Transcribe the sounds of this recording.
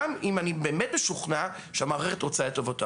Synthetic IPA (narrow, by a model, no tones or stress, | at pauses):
mimanibeːmet̚beʃuχna | ʃeamaʁeχetʁot͡saet̪ːovota